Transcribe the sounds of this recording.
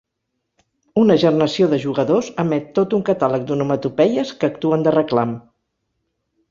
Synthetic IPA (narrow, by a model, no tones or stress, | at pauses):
unəʒərnəsioðəʒuɣəðozəmɛt̪ːot̪uŋkət̪alək̚d̪unumət̪upɛʎəskəːkt̪uənd̪ərəklam